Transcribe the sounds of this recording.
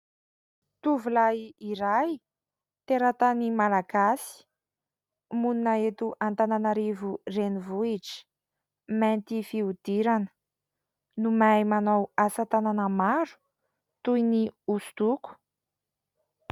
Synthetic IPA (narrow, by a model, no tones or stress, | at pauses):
t̪uvulaiiɾaj | t̪eɾat̪animalaɡasi̥ | mununaet̪uʔant̪ananaɾivurenivuiʈ͡ʂi̥ | mɛnt̪ifiud̪̥iɾanə̥ | numajmanowasat̪ananəmaɾu̥ | t̪ujniusu̥t̪uku̥